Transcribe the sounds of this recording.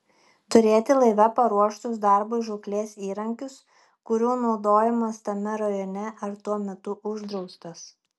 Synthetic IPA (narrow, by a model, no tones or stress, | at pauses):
t̪ʊɾʲeːt̪ʲɪlˠɐɪʋʲɛpɐɾuɔʃt̪ʊs̬d̪ɐɾbʊʒʊklʲeːsiːɾɐŋʲkʲʊs | kʊɾʲuːnɒʊd̪oːjɛmɐst̪ɐmʲɛɾɐjɔːnʲɛʔɐɾt̪uɔmʲɛt̪ʊʔʊʒd̪ɾɒʊst̪ɐs